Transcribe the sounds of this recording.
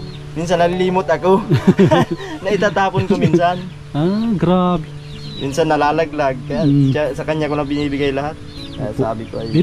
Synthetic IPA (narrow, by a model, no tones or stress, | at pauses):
minsanːɐliliːmʊt̪ɐko | nɐɪt̪aːt̪aːponkominsan | aɡɾab | mʔinsanːɐlaːlɐɡ̚laɡ̚kɐjat͡ʃasɐkɐɲɲakonɐbɪniːbɪɡajlɐhat̪̚ | kɐja̰sa̰ːbɪkoɐj